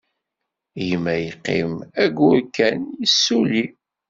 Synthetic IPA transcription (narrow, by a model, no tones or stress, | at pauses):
jəmːæjəqːḭmæɡʊɾkːænjisːuli